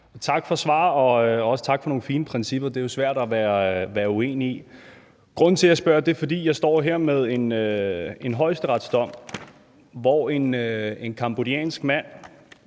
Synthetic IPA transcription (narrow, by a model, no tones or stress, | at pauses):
t͡sʰɑ̈ɡ̥fɒ̽sʋɑ̰̈ːɒ̽ɒ̽sə̥t͡sʰɑ̈ɡ̥fɒ̽no̝ːŋ̩fiːnəpʰʁɛnsib̥ɐd̥e̝jo̝sʋæɐ̰ɾ̥æʋæːɐʋæːɐue̝̰ːnii | ɡ̥ʁɔ̽n̰̩t͡sʰe̝æsb̥ɶɐd̥e̝fɒ̽d̥ḭːjɑ̈ɪsd̥ɒ̰ːɦeɐ̰meðˠe̝nøe̝nɦɒ̽ɪsd̥əʁɑ̈d̥sd̥ɒ̽m̰ | ʋɒe̝ne̝nkʰɑ̈mb̥o̝diɛ̰ːnsɡ̥mæn̰